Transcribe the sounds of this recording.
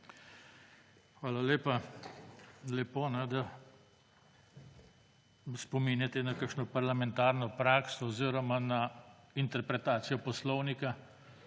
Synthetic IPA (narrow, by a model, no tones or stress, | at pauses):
xʋaːlaleːpa | lɛpoːnɛd̪a | spɔminjat̪ɛnakakʃnɔpaɾlamɛ̃nt̪aɾnɔpɾaːksɔɔziːɾɔmanaint̪ɛɾpɾɛt̪aːt̪sijɔpɔslɔwnika